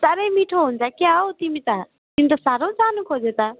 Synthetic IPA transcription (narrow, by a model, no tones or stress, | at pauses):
t͡saɾemiʈʰoɦunt͡sʰakjaot̪imit̪a | t̪imit̪ɐsaːɾõt͡saːnukʰod͡zet̪a